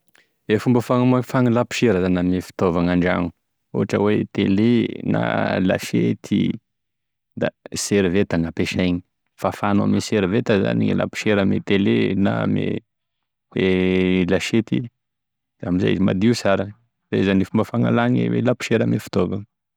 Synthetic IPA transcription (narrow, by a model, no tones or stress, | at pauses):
efumbəfaŋamafaŋilapi̥ʃeɾəzanamefi̥t̪ovaŋaɳɖ͡ʐa̰ŋu̥ | o̰ɦaʈ͡ʂə̰wet̪elena̰la̰ʃet̪ʰḭ | d̪aseɾivet̪aŋapeʃajɲi̥ | fafana̰meseɾivet̪əza̰nḭla̰pi̥ʃeɾəmḛt̪elena̰mḛ | welaʃet̪i | damiza̰izima̰d̪iusaɾan | za̰zanifumbəfaŋa̰laŋḛwḛlapi̥ʃeɾəmefi̥t̪ovaŋə